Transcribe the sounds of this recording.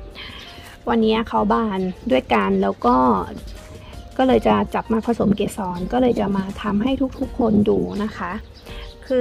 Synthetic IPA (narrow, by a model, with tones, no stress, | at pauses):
wa˧nːiː˦˥ɐkʰa˦˥wbaː˧˩ndu˥˩əjka˧nlɛː˦˥wkɔː˥˩ | kɔː˥˩lɤː˧jt͡ɕa˨˩t͡ɕa˨˩p̚maː˧pʰa˧so˩˦mkeː˧˩sɔː˨˦nkɔː˥˩lɤː˧jt͡ɕa˨˩ʔmaː˧t̪ʰa˧mɦa˥˩jt̪ʰu˦˥k̚t̪ʰu˦˥kʰːo˧nduː˧na˦˥kʰa˦˥ʔ | kʰɯː˧